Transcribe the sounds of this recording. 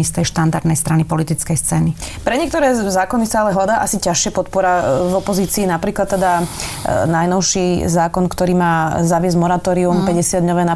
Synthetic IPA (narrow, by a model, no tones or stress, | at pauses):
ist̪ɛjʃt̪and̪aɾd̪nɛjst̪ɾanipɔlit̪it͡skɛjst͡sɛːnipɾɛɲɪɛkt̪ɔɾɛːzaːkɔnisaalɛɦlad̪aːʔasicaʃɪɛpɔt̪̚pɔɾavɔpɔziːt͡siːnapɾiːklat̪ːɛd̪a | najnɔʊʃizaːkɔnkt̪ɔɾiːmaːzaʋɪɛzɟmɔɾat̪ɔːɾiumpɛɟɛsɪad̪ɲɔʋɛːna